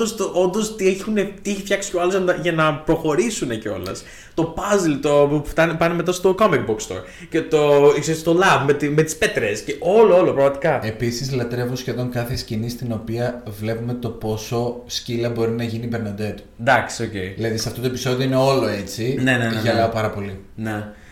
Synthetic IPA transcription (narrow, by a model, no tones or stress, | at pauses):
ost̪oʔo̞nd̪ost̪ieçunet̪ieçifçɐksi̥ceɐlozɐnɐʝɐnɐpɾo̞xo̞ɾisune̞ce̞o̞̰lɐ̰s | t̪o̞pɐzlt̪o̞ft̪ɐnepɐneme̞t̪ɐst̪o̞komik̚bokst̪o̰ɾ | ce̞t̪oksest̪olɐvmet̪ime̞t̪i̥spe̞t̪ɾesceʔoloolopɾɐɣmɐt̪ikɐe̞pisizlɐt̪ɾe̞vosçe̞ðo̞ŋkɐθescinist̪ino̞piɐvle̞pume̞t̪o̞po̞so̞scilɐbo̞ɾinɐʝinibeɾno̞nd̪et̪u̥nd̪ɐksio̞ceiðilɐðisɐft̪ot̪oe̞piso̞ðio̞ine̞o̞lo̞e̞t͡sine̞neneʝɐlɐopɐɾɐpo̞li | ne